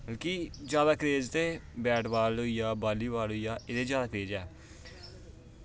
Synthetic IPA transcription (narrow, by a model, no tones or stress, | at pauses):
bəlkid͡ʒjaːd̪aːkəɾeːd͡ʒt̪eːbɛːʈʋaːlɦoiːjaːbaːliːʋaːlɦoijaːɪd̪eːd͡ʒjaːd̪aːkɾeːd͡ʒɛː